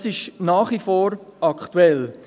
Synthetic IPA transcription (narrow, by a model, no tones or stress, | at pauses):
sɪʃnaːχʋifoːɾɑkχt̪uɛl